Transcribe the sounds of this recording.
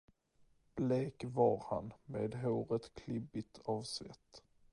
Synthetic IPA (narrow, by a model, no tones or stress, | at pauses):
b̥leːkvɑɾha̰nmeːd̪ɦoːɾət̪kʰlɪbɪt̪ʰɑvsvɛ̰t̪ː